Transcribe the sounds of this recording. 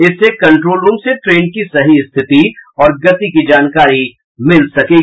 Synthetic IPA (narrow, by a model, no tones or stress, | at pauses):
ɪsːekɐ̃ɳʈɾoːlɾuːmseʈɾeːnkisɐɦist̪ʰɪt̪iɔːɾɡɐt̪ikid͡ʒaːnkaːɾi | mɪlsɐkeː